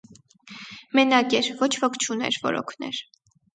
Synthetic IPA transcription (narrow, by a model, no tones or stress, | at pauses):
mɛnɑkɛɾvɔt͡ʃʰvɔkʰt͡ʃʰunɛ̰ɾvɔ̰ɾɔ̰kʰnɛ̰ɾ